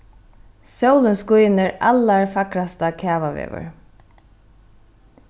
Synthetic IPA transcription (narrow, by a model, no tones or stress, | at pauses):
sowlənskʊjnɪɹa̰lːaɹfakɾast̪akʰaːʋaʋɛ̰ːʋʏ̰ɹ